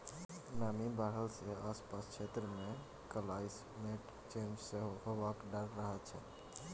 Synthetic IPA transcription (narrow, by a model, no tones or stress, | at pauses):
namibaɦəlseaspaskt͡ʃʰet̪ɾəmẽ | kəlajs | meʈ | t͡ʃemd͡ʒseɦɦobakɖaɽɾəɦɛt͡ʃʰɛ